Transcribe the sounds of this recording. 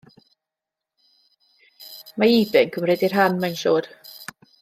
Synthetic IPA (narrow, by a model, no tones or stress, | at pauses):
maiːbɪnkʰəmrɛdir̥ɦanmajnʃoːd̥